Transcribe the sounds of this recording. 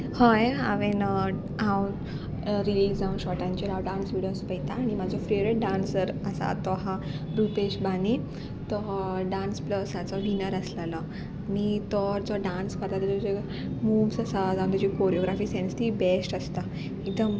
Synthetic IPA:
haja̰ʋen | ɦãw | ɾilisd͡zaunɕɔʈãɲt͡ɕiɾawɖãnsʋiɽijospəjt̪aːɽ̃imad͡zʱɔfɾiɾeʈ̚ɖãnsəɾəsa̰t̪ɔɦaɾupeɕbani | t̪ɔɖãnspləsat͡sɔʋinəɾəslalɔ | añit̪ɔɾd͡zɔɖãnskəɾt̪at̪əɾt̪ud͡ʑe | mumsasad͡zaũnt̪ud͡ʑikoɾijoɡɾafiːsenst̪ibesʈəst̪a | id̪əm

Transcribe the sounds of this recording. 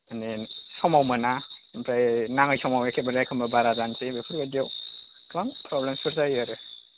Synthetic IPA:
anesɔmawmanampʰɾajnaŋɯjsɔmawakʰebaɾajkʰɯmbabaɾazansebepʰuɾbadiaw | kʰbaŋpʰɾɔblemsɯɾsajaɾɯ

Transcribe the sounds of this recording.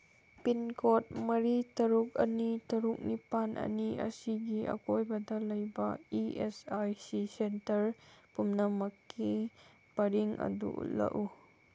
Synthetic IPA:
pinkʰot̚mɐɾitɐɾuk̚ɐ̰nitɐɾuk̚nipanʔɐ̰niɐ̰siɡiʔɐ̰kojbɐdɐlɐjbɐiesajsisentɐɾpumnɐmɐkʰːi | b̥ɐɾiŋʔɐ̰dṵʔṵtlɐ̰ʔu

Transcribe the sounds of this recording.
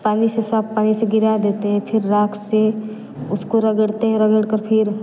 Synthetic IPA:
paːnisesaːb̚paːniseɡɪɾad̪eːt̪eɦɛ̃pʰɪɾːaːkse | ʊskoɾɐɡəɽt̪eɦɛ̃ɾɐɡəɽkəɾpʰɪɾ

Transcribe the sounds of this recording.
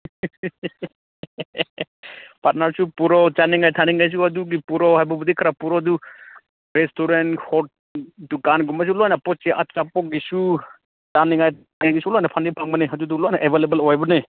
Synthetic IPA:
paɾnaɾsupuɾɔt͡ʃaniŋajtʰaniŋajs̬uad̪uɡipuɾɔɦajbɔbud̪ikʰaɾapuɾɔd̪u | ɾɛstʰuɾɛnhɔʈ̚ | tukanɡumas̬ulɔajnapɔt͡ʃiʔa̰t͡ʃapɔɡisu | t͡ʃaniŋaj | ɡaɡisulɔjnapʰandipʰaŋmaneɦad͡ʒud̪ulɔajnaʔɛbʱelebəlɔjbɔne

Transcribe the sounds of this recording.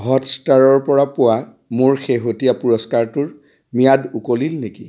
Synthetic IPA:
ɦɔtstaɹɔɹpɔɹapʊa | moɹxeɦotijapuɹɔskaɹtʊɹ | mijadukolilneki

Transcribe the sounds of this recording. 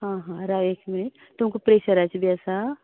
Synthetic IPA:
ɦãɦãɾaʋekminiʈ | t̪umkopɾeɕəɾat͡sbiasa

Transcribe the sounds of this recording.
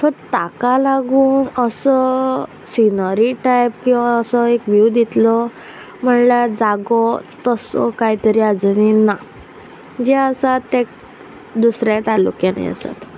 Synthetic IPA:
t̪ʰɔt̪akalaɡuːnəsɔ | sinəɾiʈajp̚kĩw̃ʋaəsɔekʋjud̪it̪lɔ | m̤əɳlad͡zaɡɔt̪əsɔ̰kaɦit̪əɾiad͡zunina | d͡ʑeəsaek̚ | d̪usɾjãt̪alṵkjana̰jə̰sa̰t̪

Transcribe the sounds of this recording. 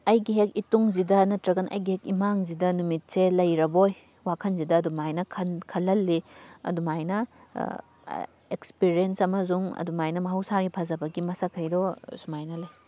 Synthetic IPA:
ɐjɡiɦek̚ituŋzidɐnɐtɾɐɡɐnʔɐ̰jɡihekimaŋzidɐnumit̚selɐjɾɐboj | wakʰɐnzidɐːdumajnɐkʰɐnkʰɐlːɐlːiɐ̰dumajnɐ | ekspiɾiensɐmɐzuŋɐ̰dumajnɐmɐɦɐwsaɡipʰɐzɐbɐɡimɐsakʰɐjdɔsumajnɐlɐj

